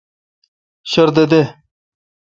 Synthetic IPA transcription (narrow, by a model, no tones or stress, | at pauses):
ɕɐɾd̪ed̪e